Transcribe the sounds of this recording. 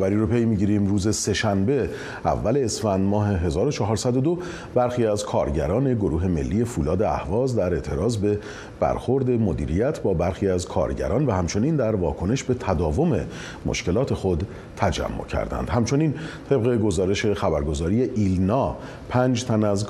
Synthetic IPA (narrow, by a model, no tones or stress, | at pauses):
bæɾiːɾopʰe̞jmiɟiɾimruːze̞se̞ʃænbe̞ | æ̰vːæle̞ːsfænd̪mɒːɦe̞ɦe̞zɒːɾo̞t͡ʃʰɒɦɒːɾsæd̪o̞d̪o̞ | b̥æɾxiːæzkʰɒ̰ːɾɟæ̰ɾɒːne̞ɡo̞ɾuːɦe̞me̞̰lːije̞fuːlɒːd̪eæ̰hvɒːzd̪æɾe̞ʔt̪ʰe̞ɾɒːzbe̞ | b̥æ̰ɾxo̞ɾd̪e̞mo̞d̪ḭːɾijæt̪ʰbɒːbæɾxiːæzkʰɒ̰ːɾɟæ̰ɾɒːnvæhæmt͡ʃʰo̞niːnd̪æɾvɒːkʰo̞ne̞ʃbe̞t̪ʰæd̪ɒːvo̞me̞ | mo̰ʃke̞lɒːt̪ʰe̞xo̞d̪ | t̪ʰæd͡ʒæ̰mːo̰cʰæ̰ɾd̪æ̰nd̪hæmt͡ʃʰo̞niːnt̪ʰe̞b̚ɣe̞ɡo̞zɒːɾe̞ʃe̞xæbæɾɡo̞zɒːɾije̞ʔilnɒː | pʰæːnd͡ʒt̪ʰænæz